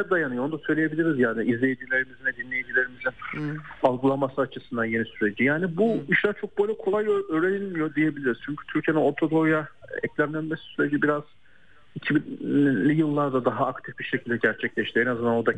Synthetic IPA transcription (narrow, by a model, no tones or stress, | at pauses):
ɛd̪ajanɯjond̪asø̞jlʲeje̞bilʲiɾizjaːniʔizlʲejed͡ʒilʲe̞ɾimizinɛd̪inlʲe̞jed͡ʒilʲe̞ɾimizinalˠɡulˠamasɯat͡ʃʰɯsɯnd̪anje̞nisyɾe̞d͡ʒijaːnibuiʃlʲaɾt͡ʃʰok̚bolʲakʰo̞lˠajøøːɾenilʲmijo̞d̪ije̞bilʲiɾiz̥t͡ʃʰyɲcʰy̥t̪ʰyɾcʰije̞nino̞ɾt̪ʰo̞d̪o̞jaɛ̰clʲæɾlʲænme̞si̥syɾe̞d͡ʒibiɾaz̥ | icʰibinlːʲijɯlˠːaɾd̪ad̪aɦaːkt̪ʰifbiɾʃecʰilʲd̪ɛɟæɾt͡ʃʰɛclʲɛʃt̪iɛnazɯnd̪anod̪a